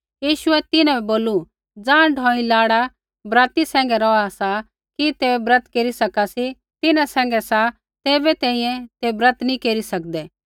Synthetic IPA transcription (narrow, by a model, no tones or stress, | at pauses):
jiːʃʊɛt̪ɪnãɛboːlu | d͡zãːɖʱɔ̃ːĩlaːɽa | bɾaːt̪isɛ̃ːŋ̆ɡɛɾɔasa | kit̪eːɛbɾɐt̪keːɾisɐkasi | t̪ɪnãsɛ̃ːŋ̆ɡɛsa | t̪eːbɛt̪ɛ̃ːĩjɛ̃t̪ebɾət̪nĩkeːɾisɐk̚d̪ɛː